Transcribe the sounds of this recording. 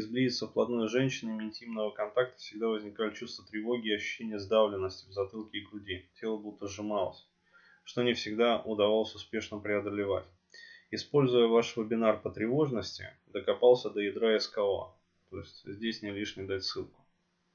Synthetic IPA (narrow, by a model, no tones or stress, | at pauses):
ɪzblʲizʲɪt̪səfplˠɐd̪nojəʐɛnʲɕɪnʲɪmʲɪɪnʲtʲimnəvəkɐnt̪ak̚t̪ə̥fsʲɪɡ̚d̪avəzʲnʲɪkalʲɪt͡ɕust̪vət̪ɾʲɪvo̞ɡʲiːɐɕːʉ̥ɕːenʲɪjəzd̪avlʲɪnːəsʲtʲɪvzɐt̪ɨlˠkʲɪːɡɾʊdʲitʲe̞lˠəbut̪ːəʐɨmalˠə̰sʲ | ʂt̪o̞nʲɪfsʲɪɡd̪aʊd̪ɐvalˠəsʲʊspʲe̞ʂnəpɾʲɪɐd̪əlʲɪva̰tʲ | ɪspo̞lʲzʊjəvaʂvəbʲɪnarpət̪ɾʲɪvo̞ʐnəsʲtʲɪ̰ | d̪əkɐpalˠsʲəd̪əjɪd̪ɾaɪskalˠa̰ | t̪o̞ɪsʲtʲzʲdʲesʲnʲɪlʲiʂnʲɪd̪atʲsɨlˠkʊ̥